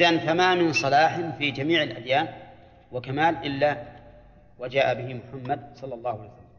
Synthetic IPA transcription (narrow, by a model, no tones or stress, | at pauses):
ʔðanfamamɪnsˤɑlaːħɪnfid͡ʒamiːʕɪlʔa̰d̪jaːn | wakamaːlʔɪlːa | wad͡ʒaːʔabɪhɪmʊħamːad̪̚sˤɑlːɑlˤːɑːhʊaljsalːa